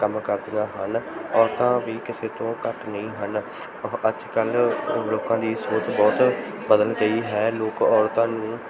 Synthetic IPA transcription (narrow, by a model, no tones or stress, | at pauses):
kəmkəɾd̪ɪãːɦənɔːɾt̪ãːʋiːkɪseːt̪õːkəʈnəĩːɦən | əd͡ʒkəlloːkãːd̪iːsoːt͡ʃbɔːt̪ | bəd̪əlɡəiːɦɛːloːkɔːɾt̪ãːnũː